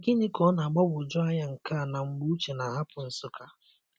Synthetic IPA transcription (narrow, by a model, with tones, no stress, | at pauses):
ɡɪ˦ni˦kɔ˨˦na˨a˨ɡ͡bɔ˦bʊ˨d͡ʒɔ˦a˦ɲa˦ŋ̩˨ka˦˨na˨ŋ͡m̩˦ɡ͡bu˦u˦t͡ʃe˨na˨ɦa˦pʊ˨n̩˨sʊ˦kʰa˦